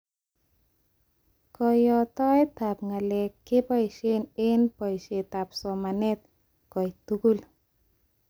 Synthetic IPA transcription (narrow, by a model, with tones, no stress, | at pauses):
kɔjɔt̪ɔ˦jt̪a˨p̚ŋa˨le˨kːe˦pɔ˦jʃene˦npɔ˨jʃe˨t̪a˨psɔ˨ma˨net̪̚ | kɔ˨jt̪uku˦l